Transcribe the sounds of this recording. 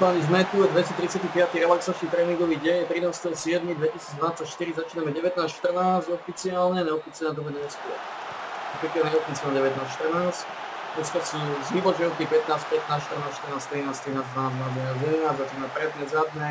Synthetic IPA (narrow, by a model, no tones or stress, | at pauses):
paɲizmɛt̪ujɛd̪ʋɛsit̪ɾit͡sɪat̪ipɪat̪iɾɛlaksat͡ʃnit̪ɾɛːniŋɡɔʋiːɟɛɲɛt̪ɾinaːst̪ɛɔsɪɛd̪mid̪ʋɛcisiːd͡zd̪ʋanat͡sacʃt̪iɾizat͡ʃiːnamɛɟɛʋɛt̪naːsʃt̪r̩naːzɟɔfit͡siaːlɲɛaɲɛɔfit͡sialɲɛt̪ɔbɛɲɛskɔ̰ɾ | pɾikiaɛɔfit͡sialnɛɟɛʋɛt̪naːsʃt̪r̩naːsc | ɛskɔsuːzʋiːpɔd͡ʒɛut̪ipɛt̪naːspɛt̪naːsʃt̪ərnaːsʃt̪rnaːst̪ɾinaːst̪ɾinaːzd̪ʋanaːzd̪vanaːzɛnaːzjɛd̪ɛnaːzzat͡ʃiːnamɛpɾɛd̪ɲɛzad̪nɛ